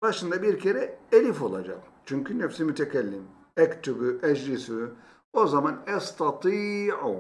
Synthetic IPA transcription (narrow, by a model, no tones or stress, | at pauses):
baʃɯnd̪abiɾcʰeɾɛelʲifo̞lˠa̰d͡ʒa̰t͡ʃʰyɲkʰʲynɛfsimyt̪ʰɛcʰɛlʲːim | ɛkt̪ʰybyʔɛd͡ʒlisy | ozamanɛst̪ʰɑt̪ʰiːʕu